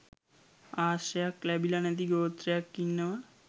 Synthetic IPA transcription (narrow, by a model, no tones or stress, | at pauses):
aːʃɐjakːlɛbilɐnɛt̪̬iɡoːt̪ɾejakːinːəʋa